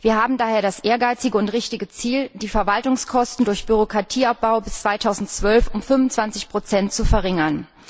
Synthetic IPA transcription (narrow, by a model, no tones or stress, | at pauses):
viːɐɦaːbm̩daːheːɐɾasʔeːɐɡaɪt͡sɪɡəʊntʁɪçtɪɡət͡siːld̥iːfɛɐvaltʊŋskʰɔstn̩dʊɐçb̥yʁokʁ̥atʰiːap̚b̥aʊbɪst͡sv̥aɪtʰaʊzn̩tt͡sv̥œlfʊmfʏnvʊnt͡sv̥ant͡sɪçpʁ̥ot͡sɛntt͡sufɛɐʁɪŋɐn